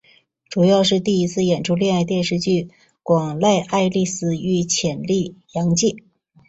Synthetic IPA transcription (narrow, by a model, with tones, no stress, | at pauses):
ʈ͡ʂu˨˩jɑ˥˧ʊʂɻ̩˥˧t̪i˥˩i˧˥t͡sʰɹ̩˥˧jɛ˨˩nʈ͡ʂʰu˥˧ljɛ˥˧ŋa˥˧ɪt̪jɛ˥˧nʂɻ̩˥˧t͡ɕy˥˩ | kwɑ˨˩ŋla˥˧ɪʔa˥˧ɪli˥˧sɹ̩˥˩y˥˩t͡ɕʰjɛ˨˩nli˥˩jɑ˧˥ŋt͡ɕi˥˩ŋ